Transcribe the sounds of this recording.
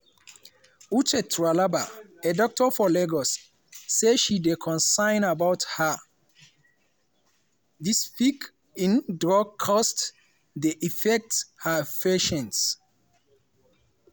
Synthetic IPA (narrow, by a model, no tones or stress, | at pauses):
ut͡ʃɛtʰɹalabaedɔk̚tʰɔfɔlɛɡɔsː | eʃidekʰɔ̃nsãɪ̃nabawtha | dispik | ĩndɹɔɡ̚kʰɔst | deʔifɛk̚thafɛʃɛ̃ns